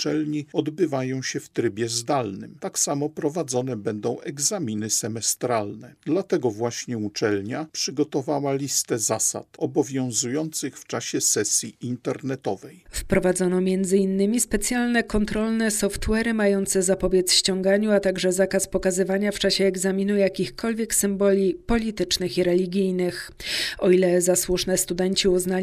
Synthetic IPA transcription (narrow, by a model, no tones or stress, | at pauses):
ut͡ʂɛlɲiɔd̪bɘvajɔ̃w̃ɕɛft̪ɾɘbʲjɛzd̪alnɘmt̪aksamɔpɾɔvad̪zɔnɛbɛnd̪ɔ̃w̃ʔɛɡzamʲinɘsɛmɛst̪ɾalnɛd̪lat̪ɛɡɔvwaɕɲɛut͡ʂɛlɲapʂɘɡɔt̪ɔvawalʲist̪ɛzasa̰t̪ɔbɔvʲjɔ̃w̃zujɔnt̪sɘxft͡ʂaɕɛsɛsʲjiʔint̪ɛɾnɛt̪ɔvɛjfpɾɔvad̪zɔnɔmʲjɛnd̪zɘinːɘmʲispɛt̪sʲjalnɛkɔnt̪ɾɔlnɛsɔft̪wɛɾɘmajɔnt̪sɛzapɔbʲjɛt̪sɕt͡ɕɔŋɡaɲuat̪aɡʐɛzakaspɔkazɘvaɲaft͡ʂaɕɛːɡzamʲinujakʲixkɔlvʲjɛksɘmbɔlʲipɔlʲit̪ɘt͡ʂnɘxiɾɛlʲiɡʲijnɘx | ɔilɛzaswuʂnɛst̪ud̪ɛɲt͡ɕiuzna